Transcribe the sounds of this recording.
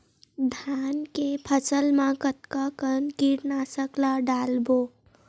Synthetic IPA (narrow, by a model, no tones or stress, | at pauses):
d̪ʱaːnkepʰəsəlmãkət̪kakənkiɾnasəklaɖaːlboː